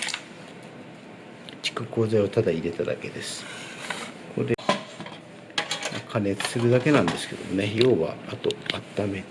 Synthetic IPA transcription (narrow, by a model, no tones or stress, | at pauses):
t͡ɕi̥kɯ̟ko̞ːzaiot̪ad̪aiɾe̞t̪ad̪a̰ke̞d̪e̞sɨ̥ | kʰo̞̰ɾe | ma̰kʰane̞t͡sɨ̥sɨɾɯ̟d̪ake̞nãnd̪e̞sɨ̥ke̞d̪o̞mone̞jo̞ːβa̰ːt̪o̞at̪ːame̞